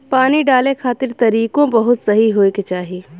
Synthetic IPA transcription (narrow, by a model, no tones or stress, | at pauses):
paːniɖaːlekʰaːt̪ɪɾt̪ɐɾiːkõbɐɦʊt̪sɐɦiɦoːeket͡ʃaːɦie